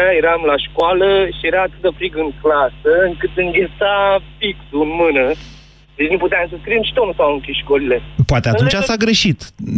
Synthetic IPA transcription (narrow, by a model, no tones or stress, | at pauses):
ajeɾamlaʃkoaləʃijeɾaːt̪ɨt̪afɾiɡɨŋklasəɨŋkɨt̪ɨŋɡʲet̪safiksuɨnmɨnə | d̪et͡ʃʲnuput̪eamsəskɾiemʃi̥t̪omsaaɨŋkʲiʃkolile̞poat̪eat̪unt͡ʃasaɡɾeʃit̪